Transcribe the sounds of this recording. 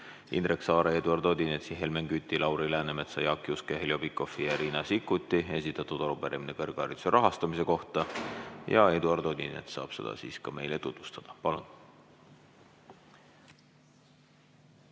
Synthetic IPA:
ḭnreksɑːɾɑe̞d̪uɑrd̪̥o̞d̪inet̪siɦe̞lmeŋɡyt̪ʲːilɑwɾilæːneme̞t̪sɑjɑkˑːiuskeɦelʲjo̞pikːo̞fijɑɾiːnɑsikːˑut̪ʲːˑie̞sit̪ːˑɑt̪ːud̪̥ɑlupæɾeminekerɡ̥ɑɾit̪seɾʔɑɦɑst̪ɑmise̞ko̞ht̪ɑjɑ̰e̞d̪uɑrd̪̥o̞d̪ʲinḛt̪sɑ̰ːb̥se̞̰d̪ɑ̰siːskɑme̞jlet̪ut̪vu̥st̪ɑd̪̥ɑpɑlun

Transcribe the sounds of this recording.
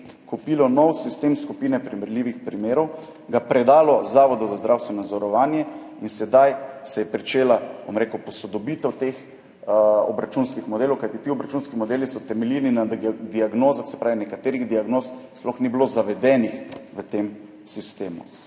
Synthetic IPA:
kupilɔnɔwsist̪emskupiːnɛpɾimɛɾliʋixpɾimeːɾɔw | ɡapɾɛd̪aːlɔzaːʋɔd̪ɔzazd̪ɾawst̪ʋɛnɔnad̪zɔɾɔʋaːnjɛ | insɛd̪ajsɛjɛpɾit͡ʃeːlabo̰mɾekupɔsɔd̪ɔbit̪ɛwt̪ex | ɔ̰bɾat͡ʃunskixmɔd̪eːlɔwkajt̪it̪iɔbɾat͡ʃunskimɔd̪eːlisɔt̪ɛmɛlilninad̪iaɡnoːzaxsɛ̥pɾaːʋinɛkat̪eːɾiɣd̪iaɡnoːssplɔxniblozaʋɛd̪ɛnixʋət̪em | sist̪eːmṵ

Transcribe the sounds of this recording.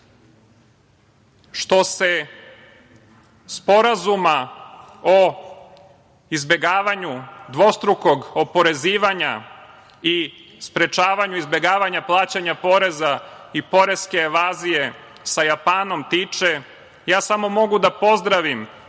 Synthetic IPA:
ʃt̪o̞se̞ | spo̞ɾazuma | o | izbe̞ɡaːʋaɲud̪ʋo̞st̪ɾuko̞ɡopo̞ɾe̞ziːʋaɲa | ispɾe̞t͡ʃaːʋaɲuizbe̞ɡaːʋaɲaplˠaːt͡ɕaɲapo̞ɾe̞za | ipo̞ɾe̞skeːʋaːzije̞ | sajapaːno̞mt̪iːt͡ʃe | jaːsamo̞mo̞ɡud̪apo̞zd̪ɾaʋim

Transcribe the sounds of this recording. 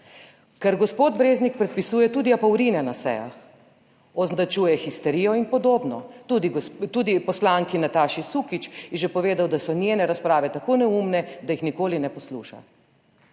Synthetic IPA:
kɛɾɡɔspoːt̪bɾeːznik̚pɾɛt̪̚pisuːjɛt̪uːd̪iapɐwɾiːnɛnasɛ̰ja̰x | ɔznd̪at͡ʃuːjɛxist̪ɛɾiːjɔinpɔd̪oːbnɔt̪uːd̪iɡɔst̪uːd̪ipɔslaːŋkinat̪aːʃisuːkit͡ʃjɛʒɛpɔʋeːd̪awd̪asɔnʲjeːnɛɾaspɾaːʋɛt̪akoːnɛumnɛd̪ajixnikoːlinɛpɔsluːʃa̰

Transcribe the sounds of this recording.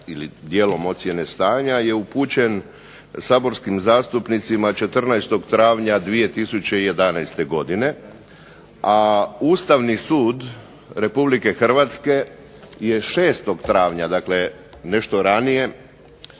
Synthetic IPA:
ilid̪je̞ːlo̞mo̞t̪sje̞ne̞st̪aːɲaje̞upuːt͡ɕe̞n | saːbo̞ɾskimzaːst̪upnit̪simat͡ʃe̞t̪r̩najst̪o̞ɡt̪ɾaːʋɲad̪ʋije̞t̪isut͡ɕe̞ije̞d̪anajst̪e̞ɡo̞d̪ine̞ | auːst̪aʋnisuːd̪ | ɾe̞publike̞xr̩ʋat̪ske̞ | je̞ʃe̞ːst̪o̞ɡt̪ɾaːʋɲad̪akle̞ | ne̞ʃt̪o̞ɾanije̞

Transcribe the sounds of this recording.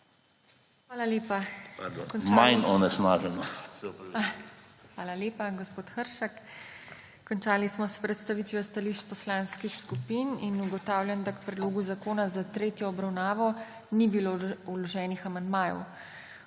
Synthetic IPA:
xʋaːlaleːpakɔnmajnɔnɛsnaːʒɛnɔ | xʋaːlaleːpaɡospoːt̪xəɾʃakː | ɔnt͡ʃaːlismɔspɾɛt̪st̪aʋit̪iʋast̪aliʃt͡ʃpɔslãːnskixskupininuɡɔt̪aːwlʲjand̪akpɾɛd̪loːɡuzakoːnazat̪ɾeːt̪jɔːbɾawnaːʋɔ | nibiloulɔʒɛːnixamand̪maːjɔ̰w

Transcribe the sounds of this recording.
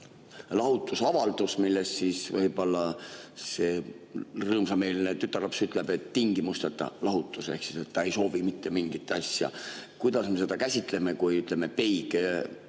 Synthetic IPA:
lɑɦut̪ːˑusɑvɑld̪̥usmilːest̪sisvɤjb̥o̞lːɑse̞ | rɤːmsɑme̞ːlinet̪yt̪ːˑɑrlɑpsyt̪ˑle̞b̥e̞t̪ːiŋɡ̥imust̪et̪ːˑɑ̰lɑɦut̪ˑːuseksise̞t̪ːɑe̞jso̞ːvimit̪ːe̞miŋɡ̥it̪ːˑɑsʲjɑ̰kujd̪̥ɑsme̞se̞d̪ɑkæsʲit̪ˑle̞me̞kujyt̪ˑleme̞pe̞jɡ

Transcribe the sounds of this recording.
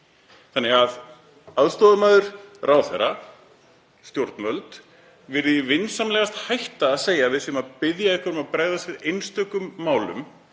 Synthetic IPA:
θanːɛɣað | aðst̪ɔːðamœðʏɾ̥rʔaːwθɛɾa | st̪jowɾ̥t̪nmœlt̪ | vɪɾðvɪnsamlɛːɣast̪hajht̪aːðseːjavɪðsɛmaðpɪðjaɪhkvaɾʏmaðpɾaːɣðasvɪðejnst̪œkʏmːaːwlʏ̰m

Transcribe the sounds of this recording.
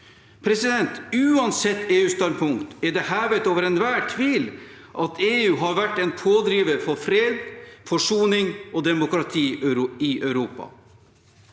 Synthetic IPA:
pʰɾɛsɪd̪ɛnt̪ʉːɑnsɛt̪ːeːʉːst̪ɑnpʰʊŋkt̪ɛɖɛɦæːʋət̪oːʋəɾɛnʋæːʈʰʋiːl | ʔɑt̪ʰeːʉːɦɑɾʋæʈːɛnpʰoːd̪ɾiːʋəɾfɔɾfɾeːd̪fɔʂuːnɪŋʔɔd̪ɛmʊkɾɑt̪ʰiːɾɪʔœʉɾuːpɑ̰

